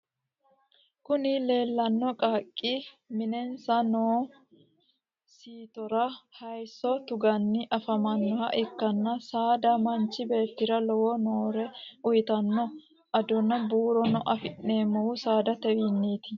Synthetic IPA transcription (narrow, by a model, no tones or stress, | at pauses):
kʊnɪle̞ːlːɐnːɔkʼaːkʼːɪ | mɪnɛnsɐnoː | siːt̪ɔɾɐhɐjsːɔt̪ʊɡɐnːɪʔɐfɐmɐnːɔhɐ̰ʔɪkːɐnːɐsaːd̪ɐmɐnt͡ʃːɪbe̞ːt̪ːɪɾɐlɔwɔnoːɾɛʊjɪt̪ɐnːɔ | ʔɐd̪ɔnɐbuːɾɔnɔʔɐfɪʔːeːmːɔwʊsaːd̪ɐt̪ɛwinːeːt̪ɪ